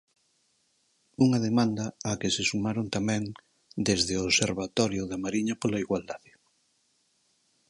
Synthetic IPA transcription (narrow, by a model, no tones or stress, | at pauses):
uŋɐðemãnd̪ɐːkesesumaɾont̪amɛ̃ŋ | d̪ezðɪoβseɾβat̪ɔɾjoðamaɾiɲɐpolaiɣwald̪aðɪ